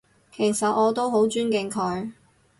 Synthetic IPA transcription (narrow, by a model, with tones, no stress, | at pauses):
kʰe˨˩jsɐ˨t̚ɔː˨˧t̪o˥wɦo˨˥wt͡ʃyː˥nkɪ˧ŋkʰɔː˨˧˥ɥ